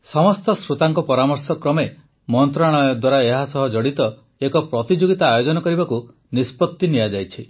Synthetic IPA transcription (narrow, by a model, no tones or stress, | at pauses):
sɔmɔst̪ɔsɾut̪aŋkɔpɔɾamɔɾsɔkɾɔme | mɔnt̪ɾaɽ̃ɔjɔd̪waɾaeɦasɔɦɔd͡ʒɔɽit̪ɔ | ekɔpɾɔt̪id͡ʒoɡit̪aːjod͡ʒɔnɔkɔɾibaku | nispɔt̪ːinijad͡ʒajt͡ʃʰi